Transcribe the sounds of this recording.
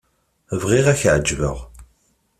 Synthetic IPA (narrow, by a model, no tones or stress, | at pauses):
vʁiʁæçʕəd͡ʒvə̰ʁ